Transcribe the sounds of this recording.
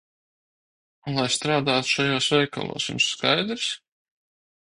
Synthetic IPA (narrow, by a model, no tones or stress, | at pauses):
lˠajst̪ɾaːd̪aːt̪u̥ʃajoːsvɛjka̰lˠo̰ːsṵnskajd̪ɾs